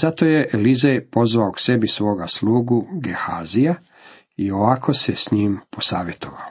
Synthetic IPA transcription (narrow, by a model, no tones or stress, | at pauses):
z̥at̪o̞ːjeʔelizejpo̞zʋaokse̞bisʋo̞ːɡaslˠuːɡuɡehaːzija | io̞ʋakʰo̞sesɲiːmposaːʋje̞t̪o̞ʋa̰o